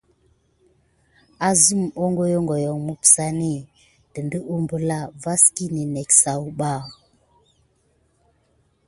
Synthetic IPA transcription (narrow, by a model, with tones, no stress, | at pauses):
a˦zu˦˨mo˦ŋɡɔ˦jɔ˦ŋɡɔ˨jɔ˨ŋmu˦psa˦ne˦˨ | d̥ə˨ndə˦u˦mbə˦la˦˨va˦ski˦ni˨nɛ˨ksa˨u˦ɓa˦˨